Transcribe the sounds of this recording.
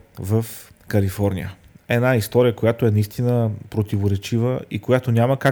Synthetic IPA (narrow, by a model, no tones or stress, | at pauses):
vəf | kəlifɔɾnḭjə̰ɛd̪naist̪ɔɾijəkojat̪oɛnɐist̪inəpɾot̪ivoɾɛt͡ʃivəʔḭkojat̪onʲaməka